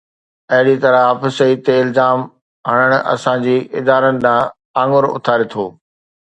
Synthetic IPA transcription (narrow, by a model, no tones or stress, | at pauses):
ɐɦɪɽit̪ɐɾəɦaːfɪsɐiːt̪eɪlzaːm | ɦɐɽ̃əɽ̃ʊɐ̰sãd͡ʑiːɪd̪aːɾənɪ̆d̪ãː | ãːŋʊɾʊ̰t̪ʰaːɾet̪ʰoː